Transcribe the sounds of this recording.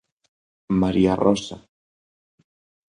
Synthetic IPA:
maɾiarosa

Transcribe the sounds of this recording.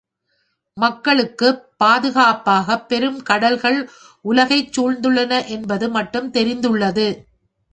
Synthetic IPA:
mɐkːɐɭɯkːɯpːaːðɯɣaːpaːɣɐpːɛɾɯmkɐɽɐlɣɐɭ | ʔʊlɐɣɐɪt͡ʃːuːɻnd̪ɯɭːɐnɐʔɛnbɐðɯmɐʈːɯmt̪ɛɾɪnd̪ɯɭːɐðɯ

